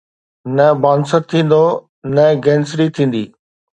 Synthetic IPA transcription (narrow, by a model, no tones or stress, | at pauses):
nɐbaːnsətt̪ʰːĩːn̆d̪o | nəɡɛ̃ːnsɾit̪ʰĩːn̆d̪iː